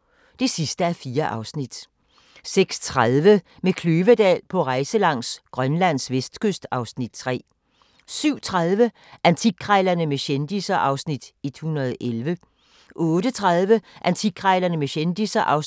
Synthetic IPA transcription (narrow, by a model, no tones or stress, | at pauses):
d̥e̝sisd̥əæɐfiːɐʔɑ̈ʊsnid̥ | seɡ̥st͡sʰʁaðˠʋəmekʰløːʋəd̥ɛ̰ːlpʰɒ̽ʁɑ̈ɪsəlɑ̈ŋ̰sɡ̥ʁɶnlæn̰sʋesd̥kʰøsd̥ɑ̈ʊsnid̥̚t͡sʰʁɛ̰ː | syʊ̰t͡sʰʁɑð̞ˠʋə | ʔænt͡sʰiɡ̥ʰʁɑɪlɐnəmeɕend̥isɐʔɑ̈ʊsnid̥e̝d̥hunɐð̞̩ˠʔelʋə | ʔɔ̽ːdət͡sʰʁɑ̈ð̞ˠʋəʔænt͡sʰiɡ̥ʰʁɑɪlɐnəmeɕend̥isɐʔɑʊ